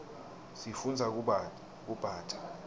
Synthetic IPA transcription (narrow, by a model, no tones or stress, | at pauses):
sifund͡zʱak̬ | k̬ub̥ʱaːtʰʼḁ